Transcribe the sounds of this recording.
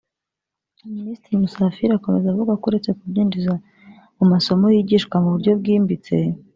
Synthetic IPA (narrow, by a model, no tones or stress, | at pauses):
miniːstɾiimusafiɾako̞me̞zavuɡakuɾe̞t͡se̞kubjiːnd͡ʒiza | umaso̞mojiɟiːʃkwamuβuɾɟo̞b̚ɡiːmbit͡se̞̰